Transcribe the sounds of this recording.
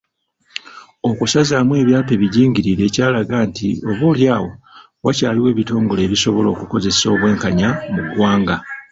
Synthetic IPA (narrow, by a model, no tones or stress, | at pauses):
o̞kusazaːmwe̞ːβjaːpe̞ːβiɟiːŋɟiɾiɾe̞ːcaːlaɡaːntḭo̞βoːljaːwo̞ | wacaːliwe̞ːβito̞ːŋɡole̞ːβisoβo̞lo̞ːkuko̞ze̞so̞βwe̞ːŋkaɲamuɡwaːŋɡa